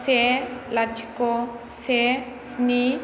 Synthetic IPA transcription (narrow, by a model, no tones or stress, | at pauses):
selad͡ʒʱikɔ | se | sni